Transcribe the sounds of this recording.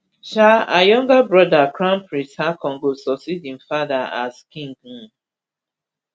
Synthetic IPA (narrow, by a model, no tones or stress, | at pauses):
ʃaajɔ̃ŋɡabɹɔdakɹãmpʰɹĩshakʰɔ̃ŋɡosɔsidĩnfadaa̰skĩŋɡũ